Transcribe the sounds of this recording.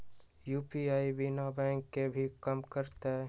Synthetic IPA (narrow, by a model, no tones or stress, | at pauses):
juːpiaːibɪnabɛ̃ːŋkːebʱikəmkəɾt̪e